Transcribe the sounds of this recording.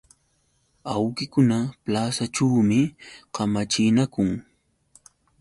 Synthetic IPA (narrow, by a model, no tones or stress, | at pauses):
awkɪkʊnaplasaʈ͡ʂawmɪqɑmat͡ʃɪnakʊŋ